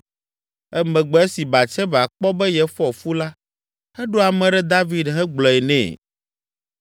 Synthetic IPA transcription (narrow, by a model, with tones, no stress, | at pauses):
ɛ˦mɛ̃˨ɡ͡bɔ˨˦e˦si˨ba˨t͡ʃɛ˦va˨k͡pɔ˦bɛ˦jɛ˦fɔ˦˨fu˦la˦ | hɛ˦ɖo˦a˨mɛ̃˨ɖɛ˦d̪a˦vi˨dɦɛ˦ɡ͡blɔ˨ɛ˨nɛ̰̃ː˨